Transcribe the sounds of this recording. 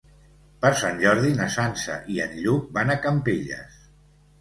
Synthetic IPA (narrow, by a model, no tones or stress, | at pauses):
pəɾsanʲʒɔɾðinasansə̰ʔiə̰nʎuk̚banakəmpiʎə̰s